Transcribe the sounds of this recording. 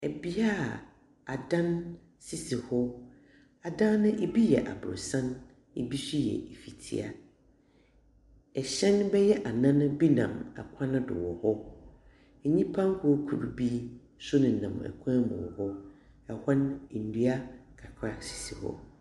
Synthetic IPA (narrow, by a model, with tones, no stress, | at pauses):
ɛ˨bi˦a˦˨ | a˨dã˦n | si˦˨si˨hɔ˦ | a˨dã˦nʊ̃˦ʔe˦bi˦jɛ̰˨ʔa̰˨bɾʊ̰˨sã˦n | ḛ˨bi˦si˦jɛ̰˨e˨fi˨tʰḭ˦˨a̰˨ | ɛ˨ɕɛ̃˦nbɛ˦jɛ˦ʔa˨nã˦nʊ̃˦bi˦nã̰˨ma̰˨kʷʰã˦nʊ̃˦dɪ̰˨wɔ˨hɔ˦ | ɛ˨ɲĩ˦pʰã˦ŋ˦kʰʊ˦kʰu˨ɾu˨bi˦ | sʊ˦nɪ̃˨nã̰˨mɛ̰˨kʷʰã˦mʊ̰̃˨hɔ˦ | ɛ˨ha˦ne˨n̩˨du˦a˦kʰa˨kʰɾa˦si̥˨si˨hɔ̰˦